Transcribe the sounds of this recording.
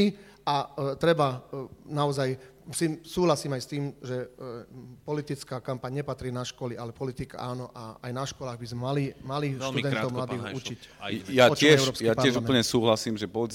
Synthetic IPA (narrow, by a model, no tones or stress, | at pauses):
i | at̪ɾɛbanaɔzaj | sisuːɦlasiːmajst̪iːmʒɛ | pɔlit̪it͡skaːkampaɲɲɛpat̪ɾiːnaʃkɔlialɛpɔlit̪ika̰aːnɔʔaajnaʃkɔlaːɣbizmɛmalimaliʃt̪ud̪ɛnɔʊmlad̪iːɦut͡ʃicjaɔt͡ʃɛɛʊɾɔpsjkiapaɾɪɛlʒumɛl̩ɲɛsuːɦlasiːmʒɛpɔd͡z